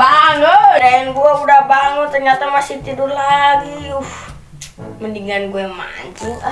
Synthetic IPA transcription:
baŋodaɛnɡuaudahbaŋunt̪ərɲat̪amasit̪idurlaɡiuf | məndiŋanɡuma̰ɲd͡ʒu

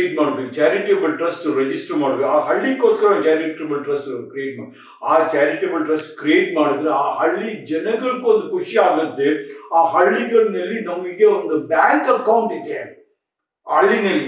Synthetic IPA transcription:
eʈmaːɽɯʋit͡ʃaːɾɪʈebɐlʈɾɐsʈɾɛd͡ʒɪsʈɐɾmaːɽɯʋiaːɦɐɭːikːoːt̪kɐɾɐt͡ʃaːɾɪʈɐbɐlʈɾɐsʈkɾieːʈ̚maːɽ | aːt͡ʃaːɾɪʈɐbɐlʈɾɐsʈkɾieːʈ̚maːɽɯʋ̪d̪ɯaːhɐɭːid͡ʒɛnɐɡɐɭɯkːuɔnd̪ukʊʃaːɡɐd̪ːɯaːɦɐɭːiɡɐɭnɐlːinɐmɡikeɔnd̪ɐbaːŋkɐkːɐwʊɳʈɪd̪ːe | ɐɭːinɐlːi

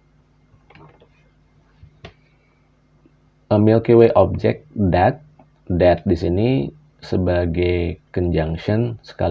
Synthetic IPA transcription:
ʔəmilkeweʔɔp̚d͡ʒɛk̚dat̪̚ | dat̪̚disini | səbaɡajkəɲd͡ʒaŋʃənsə̥ka̰

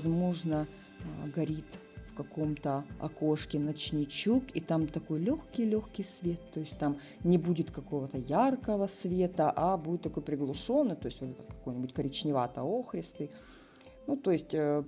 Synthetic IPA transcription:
zmo̞ʐnə | ɡɐɾʲit̪ʲ | fkɐko̞mt̪əɐ̰koʂkʲɪnɐt͡ɕnʲɪt͡ɕukit̪amt̪ɐko̞jlʲoxkʲɪjlʲoxkʲɪjsvʲe̞t̪ːo̞jɪsʲt̚ʲt̪am | nʲɪbudʲɪt̪kɐko̞vət̪əjarkəvəsvʲe̞t̪əʔabudʲɪt̪t̪ːɐko̞jpɾʲɪɡlˠʊʂo̞nːɨjt̪o̞ɪsʲtʲvot̪ɛt̪ət̪kɐko̞jnʲɪbʊtʲkəɾʲɪt͡ɕnʲɪvat̪əoxɾʲɪst̪ɨ | nut̪o̞jɪsʲtʲ

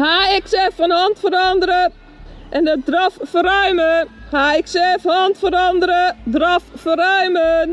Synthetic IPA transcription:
haːɪksɛfɔnhɔntfərɔndərɾə | ʔɛndədrɔffəɾœɥməhaɪksɛfhɔntfərɔndəɾədrɔffərœɥmən

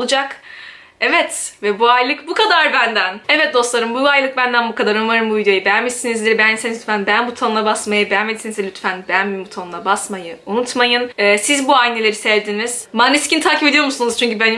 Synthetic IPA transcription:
olˠud͡ʒak | ɛvɛt̪vɛbuajlˠɯkbukʰad̪aɾbænd̪ænɛvɛt̪̚d̪o̞slˠaɾɯmbuajlˠɯk̚bænd̪ænbukʰad̪aɾonvaɾɯmbuvid̪jo̞jibɛjamesinizd̪iɾbænsenlʲyt̪fænbænbut̪ʰonlˠabasmajɯbejamed̪sinizd̪ʲilʲyt̪fænbænmimbut̪ʰonlˠabasmajɯunut̪majɯnɛːsizbuajnʲelʲe̞ɾisɛvd̪iniz̥maniscʲint̪ʰaːcʰipe̞d̪ijo̞ɾmusunuz̥t͡ʃʰyɲcybæn

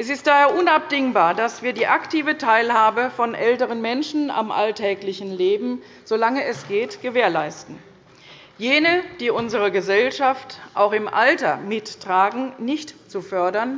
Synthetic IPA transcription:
ʔɛsɪst̚d̥aːheːɐʔʊnap̚d̥ɪŋbaːɐdasv̥iːɐdiːʔaktiːvətʰaɪlhaːbəfɔnʔɛltəʁ̞ənmɛnʃn̩a̰mʔa̰ltʰɛːklɪçn̩leːbm̩ | z̥olaŋəɛsɡ̥eːtɡ̥əveːɐlaɪstn̩ | jeːnəd̥iːʔʊnzəʁ̞əɡəzɛlʃaftʔa̰ʊxɪmʔa̰ltɐmɪtːʁ̥aːɡŋ̩nɪçtt͡sufœɐdɐn

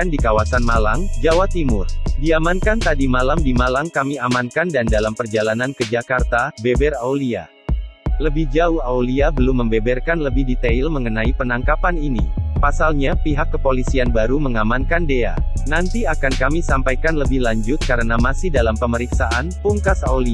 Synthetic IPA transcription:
andikawasanmalaŋd͡ʒawat̪imʊrdiamankant̪adimalamdimalaŋkamiamankandandalampərd͡ʒalanankəd͡ʒakart̪abebɛrawlia̰ | ləbɪhd͡ʒauhauliabəlʊmːəmbɛbɛrkanləbɪhdit̪eilməŋənaipənaŋkapaninḭpasalɲapiɦakːəpolisianbaɾuməŋamankandea̰nant̪iakankamisampajkanləbɪhlaɲd͡ʒʊt̪̚kaɾənamasɪhdalampəməɾiksaʔanpuŋkasawli

